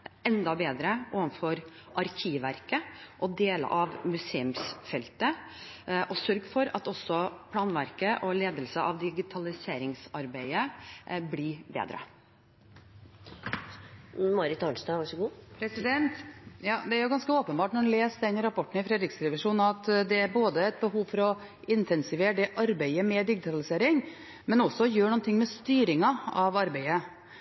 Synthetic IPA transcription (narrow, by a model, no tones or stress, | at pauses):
ɛnd̪ɑbeːd̪ɾəʔoːʋənfɔɾ | ʔɑɾkʰiːʋæɾkəʔɔd̪eːlə̰ʔɑʋmʉseːʉmsfɛlt̪ə | ʔɔsœɾɡfɔɾɑ̰t̪ɔsːɔpʰlɑːnʋæɾkəʔɔleːd̪əlsəʔɑʋd̪ɪɡɪt̪ʰɑlɪseːɾɪŋsɑɾbæɪəblɪbḛːd̪ɾə̰ | mɑɾɪt̪ɑɳsɑːʋɑʂɔɡuːpɾɛsd̪ɛnt̪jɑːd̪ɛæɾjʊɡɑnskəoːpənbɑːʈnɔɖɛnleːsd̪ɛnɾɑpʰɔʈːɳ̩ɪfɾɛːd̪ɾɪksɾɛʋɪʂuːnɑt̪d̪ɛæɾboːd̪əæɪt̪̚bəɦuːʋfɔɾɔ | ʔɪnt̪ʰɛnsɪʋeːɖɛʔɑɾbæɪəmɛd̪ɪɡɪt̪ʰɑlɪseːɾɪŋ | mɛnɔsːɔjøːɳɔnt̪ɪŋːmɛst̪yːɾɪŋɑɑʋɑɾbæɪə